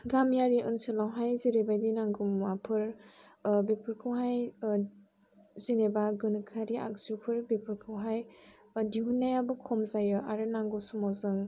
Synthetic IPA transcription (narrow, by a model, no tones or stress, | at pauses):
ɡamjaɾiʔɯnsɯlawɦajziɾebajdinaŋɡumwapʰɯɾ | bepʰɯɾkʰɯwɦaj | zinebaɡɯnɯkʰaɾia̰k̚zupʰɯɾbepʰɯɾkʰɯwɦaj | diɦunajabɯkʰɔmzajɯʔaɾɯnaŋɡɯwsumawzɯŋ